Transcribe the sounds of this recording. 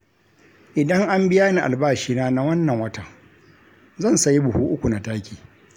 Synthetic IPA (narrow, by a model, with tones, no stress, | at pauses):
ʔɪ˨dɐ˦ŋʔa˦mbɪ˦jaː˦ni˨ʔa̰˨lbaː˦˨ʃiː˦naː˦na˦wɐ˦nːɐ˨ŋwɐ˦tɐ˨ŋ | zɐ˦˨nsɐ˨ji˦bʊ˨huː˦ʔʊ˦kʷu˨na˨taː˦kʲiː˨